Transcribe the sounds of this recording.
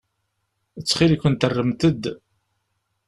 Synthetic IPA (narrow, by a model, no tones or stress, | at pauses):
ət͡sːχilikːənt̪ərːəmt̪əd̪